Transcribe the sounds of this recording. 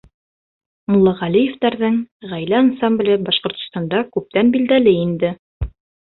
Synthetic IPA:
mʊ̆lˠːɑʁælijɘ̆ft̪æɾðɤɴʁæjlæɑnsɑmblʲɤbɑʃqŏɾt̪ŏst̪ɑnd̪ɑkʉp̚t̪ænbild̪ælɘind̪ɘ

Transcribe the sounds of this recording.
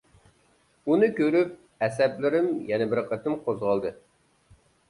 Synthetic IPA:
unɨkʲøɾyp̚ | ɛsɛplɪɾɪmjɛnɛbɪɾqʰət̪ɪmqʰozʁɑlˠd̪ɨ

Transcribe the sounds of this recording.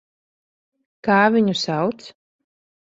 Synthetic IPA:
kaːvʲiɲusawt̪s

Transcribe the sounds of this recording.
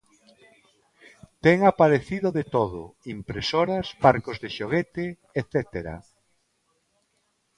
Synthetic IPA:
t̪ɛŋapaɾeθiðoðet̪oðo̰impɾesoɾasbaɾkozðeʃoɣ̞et̪ɪ | eθɛt̪eɾa̰

